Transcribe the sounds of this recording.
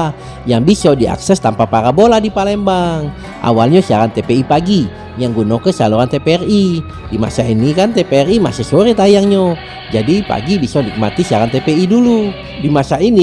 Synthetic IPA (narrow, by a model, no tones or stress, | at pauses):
jaŋbisɔdia̰ksɛst̪ampapaɾaboladipalɛmbaŋ | ʔa̰walɲasiaɾant̪epeipaɡi | jaŋɡunokəsaluɾant̪epeɛri | dima̰sainikant̪epeɛrima̰sisoɾit̪ajaŋɲo | d͡ʒadipa̰ɡibisɔnik̚mat̪isiaɾant̪epeidulu | dimasaini